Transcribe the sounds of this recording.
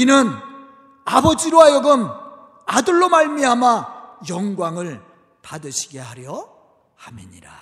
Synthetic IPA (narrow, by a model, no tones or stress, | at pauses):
inɯn | abʌd͡ʑiɾowajʌɡɯm | adɯɭːomaɭmiɦamajʌŋɡwaŋɯɭ | padɯɕʰiɡe̞ɦaɾjʌ | hamḭɲḭɾa